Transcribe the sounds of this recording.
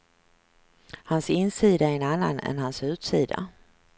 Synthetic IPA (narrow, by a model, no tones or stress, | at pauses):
hansɪnsiːd̪aæɾɛnanːa̰nɛ̰nɦansʉ̟ːt̪siːd̪a̰